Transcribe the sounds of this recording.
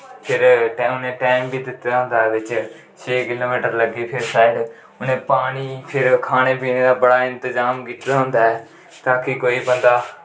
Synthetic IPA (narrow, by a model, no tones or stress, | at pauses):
pʰɪɾʊnẽːʈaːɪmbʱiːd̪ɪt̪ːaːɦʊ̃nd̪aːʋɪt͡ʃ | t͡ʃʰeːkɪloːmiːʈəɾləɡiːpʰɪɾsaːɪɖ | ʊnẽːpaːɽ̃iːpʰɪɾkʰaːɽ̃eːpiːneːd̪aːbəɽaːɪ̃nt̪ɪzaːmɡɪt̪d̪aːɦʊ̃nd̪aːɛː | t̪aːkikoːiːbə̃nd̪aː